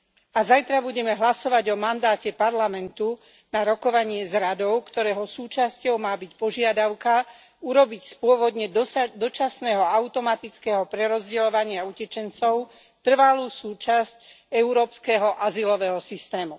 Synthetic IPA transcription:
azajt̪ɾabuɟɛmɛɦlasɔʋaɟɔmand̪aːcɛpaɾlamɛnt̪u | naɾɔkɔʋaɲɪɛzɾad̪ɔʊkt̪ɔɾɛːɦɔsuːt͡ʃascɔʊmaːbicpɔʒɪad̪aʊka | uɾɔbicspʊɔʋɔd̪ɲɛdd̪ɔt͡ʃasnɛːɦɔaʊt̪ɔmat̪it͡skɛːɦɔpɾɛɾɔzɟɛlɔʋaɲɪaucɛt͡ʃɛnt͡sɔʊ | t̪r̩ʋaluːsuːt͡ʃasc | ɛuɾɔːpskɛɦɔʔazilɔʋɛɦɔsist̪ɛːmu

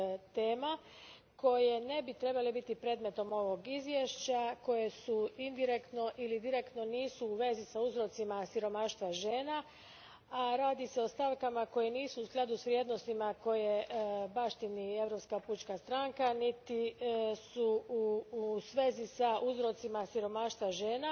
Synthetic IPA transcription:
t̪eːma | ko̞je̞ne̞bit̪ɾe̞balebit̪ipɾe̞ːd̪me̞t̪o̞mo̞ʋo̞ɡizʋje̞ʃt͡ɕako̞je̞suind̪iɾekt̪no̞ʔilid̪iɾekt̪no̞niːsuːʋe̞zisauzɾo̞t̪simasiɾo̞maːʃt̪ʋaʒe̞ːna | aɾaːd̪ise̞o̞st̪aʋkamako̞jeniːsuːsɡlˠad̪usʋɾʲjed̪no̞st̪imako̞jebaːʃt̪inie̞ʋɾopskaput͡ʃkast̪ɾaŋkanit̪isuusʋe̞zisaʔuzɾo̞t̪simasiɾo̞maːʃt̪ʋaʒe̞ːna

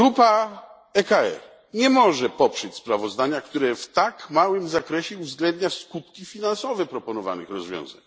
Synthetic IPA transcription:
ɡɾupa | ɛkaɛ̰ɾ | ɲɛmɔʐɛpɔpʂɛt͡ɕspɾavɔzd̪aɲakt̪uɾɛft̪akmawɘmzakɾɛɕɛuvzɡlɛnd̪ɲaskut̪kʲifʲinansɔvɛpɾɔpɔnɔva̰nɘ̰xɾɔzvʲjɔ̰̃w̃za̰ɲ

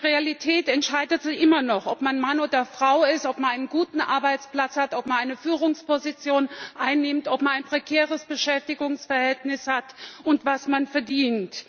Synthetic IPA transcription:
ʁealitʰɛːtɛntʃaɪdətz̥ɪçʔɪmɐnɔχʔɔpmanmanoːdɐfʁ̥aʊɪstʔɔpmanaɪnənɡuːtn̩ʔa̰ɐbaɪt͡spl̥at͡shatʔɔpmanaɪnəfyːʁ̞ʊŋspɔzit͡sjoːnʔaɪnːɪmtʔɔpmanaɪnpʁ̥ekʰɛːʁəsb̥əʃɛftɪɡʊŋsfɛɐhɛltnɪshatʔʊntv̥asmanfɛɐdiːnt

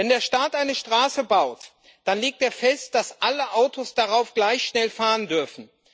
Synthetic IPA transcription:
vɛndeːɐʃtaːtʔaɪnəʃtʁ̥aːsəbaʊt | d̥anleːk̚teːɐfɛst̚d̥asʔaləʔaʊtʰosd̥aʁaʊfɡ̥laɪçʃnɛlfaːʁəndʏɐfn̩

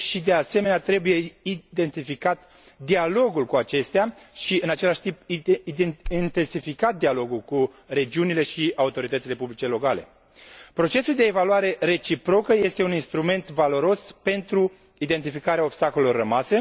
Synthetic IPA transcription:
ʃid̪e̞ase̞me̞neat̪ɾe̞buje̞id̪e̞nt̪ifikat̪ | d̪ialo̞ɡulkuat͡ʃe̞st̪eaʃiɨnat͡ʃe̞laʃt̪imp̪ | int̪e̞nsifikat̪̚d̪ialo̞ɡulku | ɾe̞d͡ʒiunile̞ʃiaut̪o̞ɾit̪ət̪sile̞publit͡ʃe̞lo̞kale̞̰ | pɾo̞t͡ʃe̞suld̪e̞ːvaluaɾe̞re̞t͡ʃipɾo̞kəje̞st̪e̞uninst̪ɾume̞nt̪valo̞ɾo̞spe̞nt̪ɾu | id̪e̞nt̪̬ifikaɾeaobst̪akolelo̞rːəmase̞

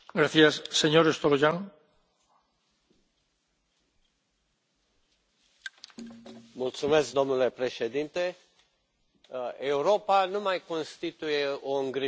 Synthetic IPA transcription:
ɡɾaθjasːeɲoɾest̪oloʒaŋ | mult̪sumesk̚d̪omnulepɾeʃed̪int̪e | ewɾopanumajkonst̪it̪ujeoəŋɡɾi

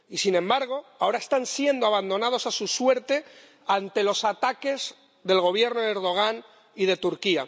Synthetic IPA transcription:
isinẽ̞mbaɾɣ̞o̞ao̞ɾae̞st̪ansje̞nd̪oaβand̪o̞nað̞o̞sasuswe̞ɾt̪e̞ | ant̪e̞lo̞sat̪ake̞z | ðe̞lɣo̞β̞je̞ɾnoðeɾðo̞ɣ̞an | ið̞e̞t̪uɾkia

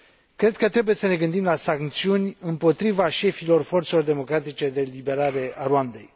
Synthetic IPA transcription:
kɾe̞d̪̚kət̪ɾe̞buje̞səne̞ɡɨnd̪imlasaŋk̚t̪siunʲɨmpo̞t̪ɾivaʃe̞filo̞rfo̞rt̪se̞lo̞rd̪e̞mo̞kɾat̪it͡ʃe̞d̪e̞libe̞ɾaɾe̞aɾuand̪e̞̰j

